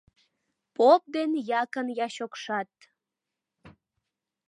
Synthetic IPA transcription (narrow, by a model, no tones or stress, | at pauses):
pop̚d̪enjɑkənjɑɕokʃɑt̪